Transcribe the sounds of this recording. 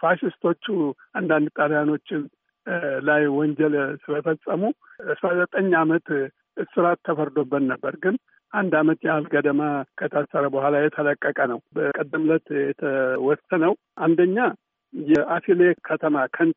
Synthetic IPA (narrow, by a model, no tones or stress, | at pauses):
faʃɪst̪ʰo̞t͡ʃːu | and̪and̪t̪ʼaljano̞t͡ʃːɪn | lajwɔɲd͡ʒɛlsɨləfəsʼəmuəsɾazət̪ʼəɲːamət̪ | ɨsɨɾat̪ʰːəfəɾd̪o̞bːət̪nəbːəɾɡɨn | ʔand̪amət̪jalɡəd̪əmakʰət̪ʰasəɾəbəhʷalajɛt̪ʰələkʼːəkʼənəwbəkʼɨd̪ːɨmlət̪jɛt̪ʰəwɔsənəw | ʔand̪əɲːa | jɛʔafilekʰət̪ʰəmakʰən